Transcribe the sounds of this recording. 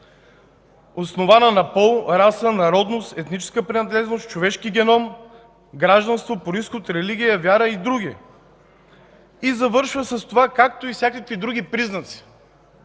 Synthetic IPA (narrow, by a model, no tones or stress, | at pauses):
osnovanənɐpɔlˠɾasənɐɾɔd̪nost̪ɛt̪nit͡ʃɛ̥skəpɾɛnɐd̪lɛznost͡ʃovɛʃkiɡʲɛnɔm | ɡɾaʒd̪ɐnst̪vopoɾiskot̪ɾɛliɡʲijəvʲjaɾəid̪ɾuɡʲi | izɐvɤɾʃvəsɐst̪ovakak̚t̪oifsʲjakəkvid̪ɾuɡʲipɾiznət̪si̥